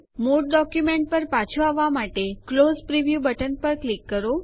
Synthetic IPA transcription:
moʈ̚ɖɔkjumẽɳʈ̚pəɾpat͡ʃʰoaʋːamaʈeklozpɾiʋjubəʈənpəɾklikːəɾo

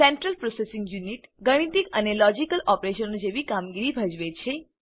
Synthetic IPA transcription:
sɛɳʈɾəlpɾosesĩŋɡjuniʈɡəɽ̃it̪ikənelɔd͡ʒikəlʔɔpɾeʃənod͡ʒeʋikamɡiɾibʱəd͡ʒʋet͡ʃʰe

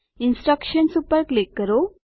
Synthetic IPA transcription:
insʈɾəkɕənsupəɾklikːəɾo

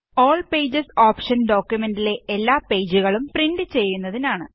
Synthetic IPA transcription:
oːɭpe̞ːd͡ʑɐsoːpʂɐnɖo̞ːkʲjume̞ndile̞elːaːpe̞ːd͡ʑuɣɐɭumpriɳɖɨt͡ɕe̞jːunːɐðinaːɳɨ

